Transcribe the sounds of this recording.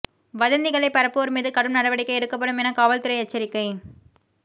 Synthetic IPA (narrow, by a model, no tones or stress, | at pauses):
ʋɐðɐnd̪ɪɣɐɭɐɪpɐɾɐpːoɾmiːðɯkɐɽɯmnɐɽɐʋɐɽɪkːɐɪɛɽɯkːɐp̬ːɐɽɯmɛnɐkaːʋɐlt̪ɯɾɐɪɛt͡ʃːɐɾɪkːɐɪ